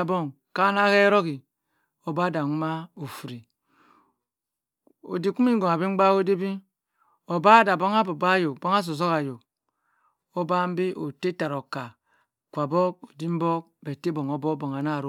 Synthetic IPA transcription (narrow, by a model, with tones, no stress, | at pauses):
a˨bo˦˨ŋ | ka˦na˦ke˦ɾo˦ki˨ | o˨ba˦da˨ŋu˦ma˦o˨fu˨ɾi˨ | o̰˨di˨ku˦mi˦ŋ˦ɡo˨ŋa˨bi˦ŋ͡m̩˦ɡ͡ba˦o˦de˦bi˦ | o˨ba˦da˨bo˦ŋa˦bo˨ba˦jo˨bo˦ŋa˦s̬o˨s̬o˦ka˨jo˨k | o˦ba˦m̩˦bi˦ʔo˨te˦ta˨ɾo˨ka˨ | kʷa˨bo˦k̚o˨di˦m̩˦bɔ˦k̚be˨te˦bo˨ŋo˨bo˦bo˨ŋa˨na˦˨ɾ